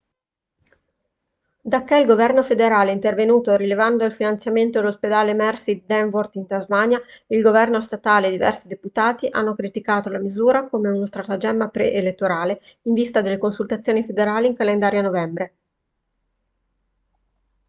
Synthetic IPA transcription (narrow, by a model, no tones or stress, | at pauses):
d̪akːeilɡovɛrnofed̪eɾaːleint̪ervenuːt̪oɾilevand̪oilfinant̪sjament̪od̪elosped̪aːlemɛrsid̪ɛɱvort̪int̪azmaɲjailɡovɛrnost̪at̪aːleːd̪ivɛ̰rsid̪eput̪aːt̪iʔa̰nːokɾit̪ikaːt̪olamizuːɾakomeunost̪ɾat̪ad͡ʒɛmːapɾḛʔelet̪ːoɾaːleiɱvist̪ad̪elːekonsult̪at̪sːjoːnifed̪eɾaːliːŋkalend̪aːɾjanovɛmbɾe